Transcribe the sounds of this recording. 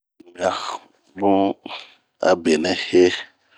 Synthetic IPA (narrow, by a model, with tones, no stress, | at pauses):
m˨a˨ | bũ˦ | a̰˨be˨nɛ˨he˦